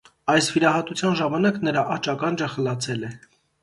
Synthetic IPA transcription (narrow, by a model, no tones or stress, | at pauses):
ɑjsviɾɑɦɑt̪ut͡sʰjɑnʒɑmɑnɑknəɾɑʔɑt͡ʃɑkɑnd͡ʒəχəlɑt͡sʰɛlɛ